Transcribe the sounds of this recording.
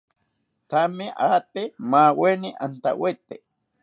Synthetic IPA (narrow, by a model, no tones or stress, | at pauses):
t̪ameʔat̪emawenɪʔant̪a̰wet̪e